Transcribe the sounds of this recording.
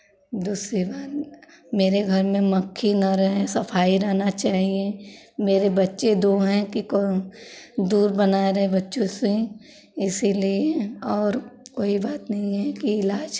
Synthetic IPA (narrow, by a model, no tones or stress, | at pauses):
d̪uːsɾibaːt̪ | meːɾeɡʱɐɾmẽmɐkʰːinaɾɐɦẽsɐpʰaːiɾɛɦnat͡ʃaːɦiemeːɾebɐtːʃed̪oɦɛ̃kiko | d̪uːɾbɐnaːeɾɐɦebɐtːʃõse | ɪsilieɔːɾkoːibaːt̪nɐɦĩɦɛkiɪlaːd͡ʒ